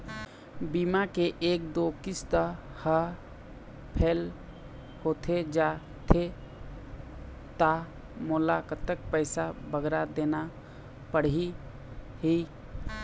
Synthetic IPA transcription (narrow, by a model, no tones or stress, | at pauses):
bimakeʔeːk̚d̪okɪst̪ə | hə | pʰeːl | hoːt̪ʰed͡ʒa | t̪ʰe | t̪a | moːlakət̪ək̚pəɪsabʱəɡɾad̪eːna | pəɽ̤i | ɦi